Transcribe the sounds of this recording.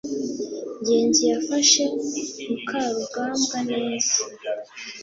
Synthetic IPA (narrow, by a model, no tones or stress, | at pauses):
ɲɟeːɲɟijafaʃe̞mukʰaːɾuɡaːmɡane̞ːza